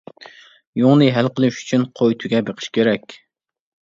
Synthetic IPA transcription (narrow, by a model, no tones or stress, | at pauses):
joŋnɨɦɛlqəlˠɪʃy̥t͡ʃʰynqʰojt̪ʰuɡʲɛbeqʰə̥ʃkʲʰeɾɛkʲ